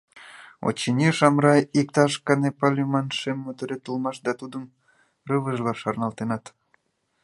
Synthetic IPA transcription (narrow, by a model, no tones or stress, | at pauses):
o̰t͡ɕːinʲiʃɑmɾɑjik̚t̪ɑʃkɑnepɑlʲymɑnʃemːot̪øɾet̪əlmɑʃd̪ɑt̪ud̪əm | rəβəʒlɑʃɑrnɑlt̪enɑt̪